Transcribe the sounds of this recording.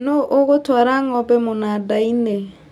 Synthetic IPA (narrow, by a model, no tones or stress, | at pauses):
noʔoɣotwaːɾaŋɔbɛmonadaine